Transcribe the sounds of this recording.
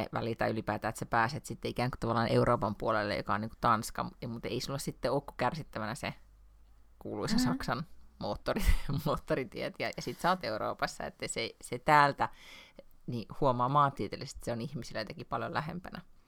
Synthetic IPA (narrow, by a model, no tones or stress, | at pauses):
ḛʋæ̰lilt̪ɑ̰iylipæːt̪æːet̪sepæːset̪sit̪ːeikæːŋku̥t̪ɑʋɑlːˑɑːneuɾʔoːpɑmpuolelːḛjo̰kɑo̰niːŋku̥t̪ɑnskɑ̰mut̪ḛisulːessit̪ːeoːkːu̥kærsit̪ːæʋænæse | kuːluisesɑksɑnmoːt̪ːorimoːt̪ːorit̪iet̪jɑjɑsit̪sɑt̪euɾo̰ːpɑsːɑ̰ḛt̪ːeiseset̪æːlt̪æ | nihuomɑːmɑːt̪ːiːt̪elːise̥st̪i̥seonihmisilːjot̪ekipɑljolæhḛmpænæ